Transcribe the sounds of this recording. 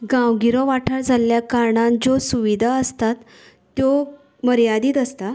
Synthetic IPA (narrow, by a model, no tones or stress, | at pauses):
ɡãwɡiɾɔʋaʈʰəɭd͡zʱaljakaɾɳand͡zosuʋid̪ʱaəst̪at̪ː | jo | məɾjad̪iːt̪əst̪a